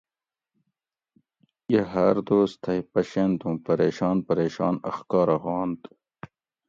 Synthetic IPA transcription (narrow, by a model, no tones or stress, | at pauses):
jeɦɐɾd̪oːst̪ʰɐipɐɕent̪ũmpɐɾeːɕɑːnpɐɾeːɕɑːnɐ̰xkɑːɾɐɣɑːnt̪